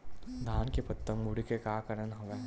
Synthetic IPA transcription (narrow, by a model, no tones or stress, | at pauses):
d̪ʱaːnkepɐt̪ːəmːuɽikekaːkɐɾənɦɐʋe